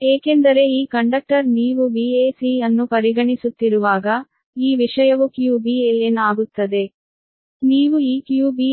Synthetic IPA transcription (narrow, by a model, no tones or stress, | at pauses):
eːke̞nd̪ɐɾe̞iːkɐɳɖɐk̚ʈɐɾniːʋubiːeːsiɐnːupɐɾiɡɐɳisut̪ːiɾuʋaːɡɐ | iːʋiʂɐjɐʋukjuːbiːelenaːɡut̪ːɐd̪e̞ | niːʋuiːkjuːbiː